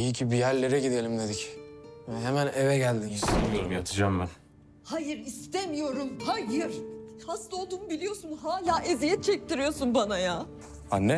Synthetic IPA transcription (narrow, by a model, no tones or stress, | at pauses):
iicʰibijæɾlʲe̞ɾɛɟid̪elʲimned̪icɛɦemænevɛɟælʲd̪imjat̪ʰɯd͡ʒamlˠaɾ | hajɯɾist̪emijo̞ɾumhajɯɾ̥hast̪ˠolˠd̪uːnubilʲijo̞sunɦaːlʲaːʔezijɛt̪̚t͡ʃʰɛc̚t̪iɾijo̞sunbanajaː | anːɛ